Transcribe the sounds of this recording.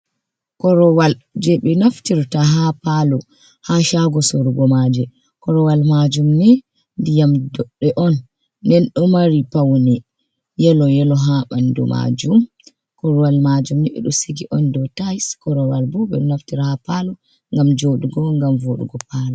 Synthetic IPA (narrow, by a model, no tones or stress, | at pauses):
kɔɾɔwald͡ʒɛɓɛnaftiɾtaɦapalɔ | haʃaɡɔsoɾuɡɔmad͡ʒɛ | kɔɾɔwalmad͡ʒumnɛ | ndijamdɔɗːɛʔɔnː | ɛnɗumaɾipawnɛ | jɛlɔjɛlɔɦaɓandṵma̰d͡ʒum | kɔɾɔwalmad͡ʒumnɛɓɛ̰ɗɔsiɡiʔɔndɔtajskɔɾɔwalbɔɓɛ̰naftiɾhapalɔ | ŋɡamd͡ʒoɗuɡɔŋɡamvoɗṵɡɔpalɔ